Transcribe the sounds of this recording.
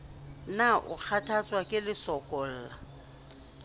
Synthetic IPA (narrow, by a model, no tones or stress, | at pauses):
naʔʊ̰k͡xʰatʰat͡sʼwakʼɪlɪsɔkʼɔl̩ːla